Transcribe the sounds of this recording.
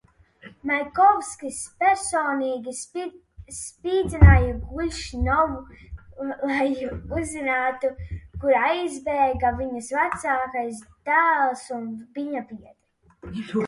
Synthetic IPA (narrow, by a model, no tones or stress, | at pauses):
majkɔvskispʲɛɾsɔːniːɡʲi | piːd̪zʲinaːjuɡulʲʃinɔvu | lˠajuzinaːt̪ukuɾajzbɛːɡaviɲasvat̪saːkajsd̪̥æːlˠsunbiɲapiɛd̪̥ɾi